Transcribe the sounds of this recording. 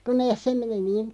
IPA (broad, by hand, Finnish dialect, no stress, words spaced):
ku neːs se meni niːn